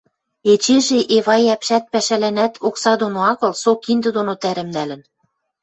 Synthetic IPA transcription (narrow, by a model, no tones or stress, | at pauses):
et͡ɕeʒeʔeβɑjæpʃæt̪̚pæʃælænæt̪ʰoksɑd̪onoɑɣɤ̆lsokind̪ɤ̆d̪onot̪æɾɘ̆mnælɘ̆n